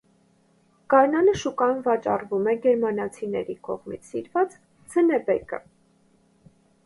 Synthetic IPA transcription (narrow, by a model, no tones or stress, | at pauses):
kɑɾnɑnəʃukɑjunvɑt͡ʃɑrvumɛɡɛɾmɑnɑt͡sʰinɛ̰ɾikɔ̰ʁmit͡sʰsiɾvɑt͡s | t͡sʰənɛbɛkə̰